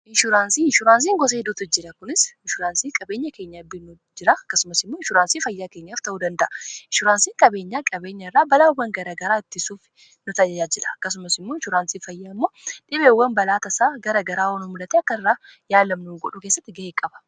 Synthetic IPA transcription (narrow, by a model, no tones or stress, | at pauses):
ɪʃʊɾaːnsiːʃʊɾaːns̬iːŋɡɔs̬eːd̪ʊt̪ʊd͡ʒɪɾɐkʊnɪsɪʃʊɾaːnsiːkʼɐbe̞ːɲːɐke̞ːɲːɐbɪnu | d͡ʒɪɾɐɐkːɐsʊmɐsɪmːoːɪʃʊɾaːnsiːfɐjːaːkeːɲːaːft̪ɐuːd̪ɐnd̪ɐʔɐɪʃʊɾaːnsiːŋkʼɐbe̞ːɲːaːkʼɐbe̞ːɲːɐɪrːaːbɐlaːwːɐŋɡɐɾɐɡɐɾaːɪt̪ːɪsuːf | nʊt̪ɐjɐjaːd͡ʒɪᶑɐ̥ɐkːɐs̬ʊmɐsɪmːoːɪʃʊɾaːnsiːfɐjːaːɪmːo̞ːᶑɪbeːwːɐnbɐlaːt̪ɐsaːɡɐɾɐɡɐɾaːwɐnɔmʊlɐt̪ɛɐkːɐɪrːaːjaːlɐmnuːɡɔᶑʊkesːɐt̪ːɪɡɐheːkʼɐbɐ̥